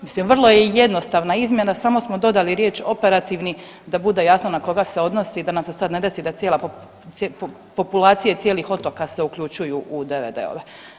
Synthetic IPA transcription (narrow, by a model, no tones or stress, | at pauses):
mislimʋr̩lˠo̞jeje̞d̪no̞st̪aʋnaizmje̞nasamo̞smo̞d̪o̞d̪aliɾje̞ːt͡ʃo̞pe̞ɾat̪iʋni | d̪abud̪e̞jasno̞nako̞ɡase̞o̞d̪no̞siːd̪anamse̞sad̪ne̞d̪e̞sid̪at̪sjeːlˠap | ep | po̞pulˠaːt̪sije̞t̪sjeːlixo̞t̪o̞kase̞uklʎut͡ʃujuʔud̪eʋed̪ḛo̰ʋe